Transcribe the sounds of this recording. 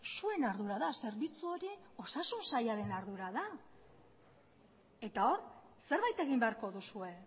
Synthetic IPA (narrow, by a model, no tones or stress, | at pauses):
sue̞naɾðuɾaðase̞ɾβit͡suo̞ɾio̞sasunsajaɾe̞naɾðuɾaða | e̞t̪ao̞rse̞ɾβajt̪e̞ɣ̞imbeaɾko̞ðusue̞